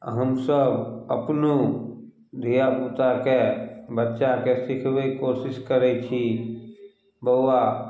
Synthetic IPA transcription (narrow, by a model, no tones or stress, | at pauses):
ɦəmsəbəpnũ | d̪ʱijaput̪akebətːʃakesɪkʰʋeikoːsɪskəɾɛt͡ʃʰi | bəʊːa